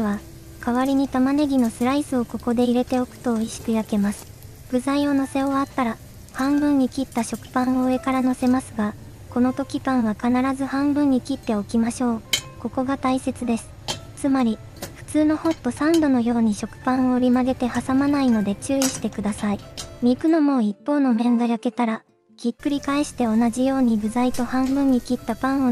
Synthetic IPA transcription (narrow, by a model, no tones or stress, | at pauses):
βa | kaβaɾʲiɲ̟it̪amane̞ɡʲino̞sɨɾaisɨo̞ko̞ko̞d̪e̞iɾe̞t̪e̞okɯ̟̥t̪o̞ːiɕi̥kɯ̟jake̞masɨ̥ | b̥ɯ̟zaio̞no̞se̞oβat̪ːaɾa | hãmbɯ̟̃ɲ̟ːikʲit̪ːaɕo̞kɯ̟̥pãɰ̃oːe̞kaɾano̞se̞masɨɡa | ko̞no̞t̪o̞kʲipãɰ̃βakanaɾazɨhãmbɯ̟̃ɲ̟ːikʲit̪ːe̞o̞kʲimaɕo̞ːko̞ko̞ɡat̪aise̞t͡sɨd̪e̞sɨ̥t͡sɨmaɾʲi | ɸɯ̟̥t͡sɨːno̞ho̞t̪ːo̞sãnd̪o̞no̞jo̞ːɲ̟iɕo̞kɯ̟̥pãɰ̃o̞ɯ̟ɾʲimaɡe̞t̪e̞hasamanaino̞d̪e̞t͡ɕɨːiɕi̥t̪e̞kɯd̪asaimʲikɯ̟no̞mo̞ːipːo̞ːno̞mẽ̞ŋɡajake̞t̪aɾa | ɡ̥ʲikːɯ̟ɾʲikaeɕi̥t̪e̞o̞naʑijo̞ːɲ̟iɡɯ̟zait̪o̞hãmbɯ̟̃ɲ̟ːikʲit̪ːapãɰ̃o